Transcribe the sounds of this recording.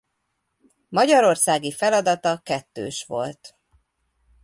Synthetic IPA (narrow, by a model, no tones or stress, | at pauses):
mɒɟɒɾo̞rsaːɡifɛlɒd̪ɒt̪ɒkɛt̪ːø̰ːʃʋo̞̰lt̪